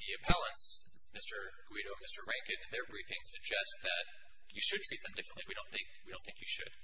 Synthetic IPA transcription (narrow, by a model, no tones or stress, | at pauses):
ðiɨpʰɛlˠə̃ns | mɪstə˞ | ɡ̥wiɾoʊə̃nmɪstə˞ɹæ̃ŋkɨ̃nɨ̃nðə˞bɹifɪ̃ŋsɨɡ̚d͡ʒɛst̪̚ðɨt | ɨʃɨd̚tʰɹ̥it̪̚ðɨ̃m̩dɪfɹə̃n̩ʔˡliwiɾõʊ̃nθɪ̃ŋkwiɾõʊ̃nθɪ̃ŋkjɨʃɨ̰d̥